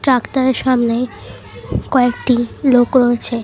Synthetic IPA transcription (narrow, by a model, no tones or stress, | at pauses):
ʈɾaktaɾeɾʃamne | kɔekʈilokɾoet͡ɕʰe